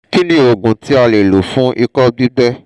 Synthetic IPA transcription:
ki˦nĩ˦˨o˨ɡũ˨ti˨˦a˧le˨lo˨fũ˨˦i˧kɔ˦bi˦bɛ˦

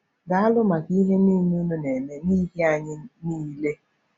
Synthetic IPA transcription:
ɡa˨a˦lʊ˦ma˨ki˦ɦe˦ni˦nu˦nu˦ne˨me˨ni˦ɦe˦a˨ɲɪ˦ni˦le˦

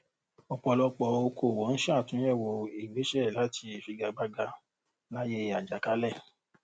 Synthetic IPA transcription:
ɔ˨k͡pɔ˧lɔ˧k͡pɔ˧o˧kʰo˨wɔ˨˦n̩˦ʃtũ˨˦jɛ˦˨wɔ˧e˨ɡ͡be˨˦ʃɛ˦˨la˨˦tʰi˧e˨fi˧ɡa˧ɡ͡ba˦ɡa˧ | la˦je˦a˨d͡ʒa˨ka˨˦lɛ˦˨

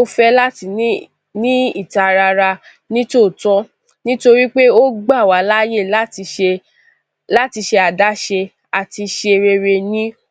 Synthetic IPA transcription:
o˦fɛ˦la˦ti˧˦ | nĩ˦i˦˨ta˨ɾa˧ɾa˧ | nĩ˦to˦˨tɔ̃˦ | nĩ˦to˧ɾi˦k͡pe˦o˦ɡ͡ba˦˨wa˨˦la˦je˦˨l | la˦ti˧ʃe˧a˨da˨˦ʃe˧ | a˨ti˧ʃe˧ɾe˧ɾe˧nĩ˦

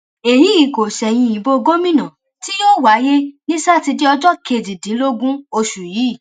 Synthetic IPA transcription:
e˨ji˨˦i˨˦ko˨ʃɛ˨j̃ĩ˧ĩ˨bo˧ɡo˦mĩ˦nã˨ | ti˦jo˦˨wa˨˦je˦nĩ˦sa˦˨ti˧di˦ɔ˧d͡ʒɔ˦kʰe˧˨di˨dĩ˨˦lo˦ɡũ˦o˧ʃu˨ji˨˦˨

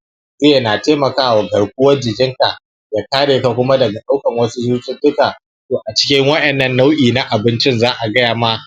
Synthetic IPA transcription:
zeː˦jna˨teː˦mɐ˨kaː˦wa˨ɡɐ˨rkʷʊ˦wɐ˦rd͡ʒɪ˨ɡʲɪ˦ŋka˨ʔ | ja˨kaː˦ɽeː˨ka˨kʷʊ˦ma˦dɐ˨ɡa˨ɗa˦wkɐ˨ŋwɐ˦su˦d͡ʒuː˦tʲɪ˦ndʊ˦kaː˨ | toː˨ʔa˨t͡ʃɪ̥˦kʲɪ˦ŋwɐ˦ʔɛ˨nːɐ˦nːa˦wʔiː˨na˦ʔa˨bɪ˦nt͡ʃɪ˦nzaː˦ʔa˨ɡɐ˦jaː˨ma˦

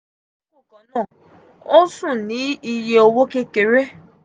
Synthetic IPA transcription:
o˦kʊ˨kɔ˨nɔ˦˨ | o˦sʊ˦˨ni˦i˦˨je˨o˨wo˦ke˦ke˨ɾe˦

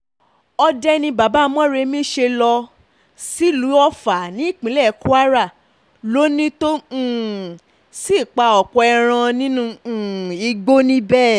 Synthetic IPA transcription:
ɔ˧dɛ˧nĩ˧ba˨ba˦mɔ̃˦ɾe˧mĩ˦ʃe˧lɔ˧ | si˦lu˨˦ɔ˧fa˨nĩ˨˦i˦˨k͡pĩ˨˦lɛ˦˨ku˦a˦ɾa˦˨ | lo˦nĩ˦tõ˦˨ | si˦˨k͡pa˧ɔ˨k͡pɔ˧ɛ˧ɾ̃ã˧nĩ˦nũ˧˨i˧ɡ͡bo˦nĩ˦bɛː˦˨

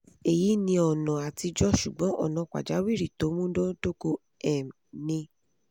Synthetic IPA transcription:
e˨ji˨˦nĩ˧ɔ˨nã˨a˨ti˧d͡ʒɔ˦ʃṵ˨ɡ͡bɔ̃˨˦ʔɔ̰˦˨nã˨kʷa̰˨d͡ʒa˨˦wi˦˨ɾi˦˨to˨˦mũ˦dɔ˦do˦ko˧˦ | ɛ˨m˨nĩ˧

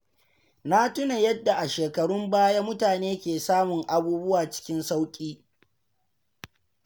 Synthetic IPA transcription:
na˦tʊ˦na˨jɐ˦dːa˨ʔa˨ʃeː˨kɐ˨ɽʊ˦mbaː˦ja˦mʊ˦taː˨neː˦kʲeː˨saː˦mʊ˨ŋʔa˨buː˦bʊ˦waː˨t͡ʃɪ̥˦kʲɪ˦nsa˦wkʲʼiː˦

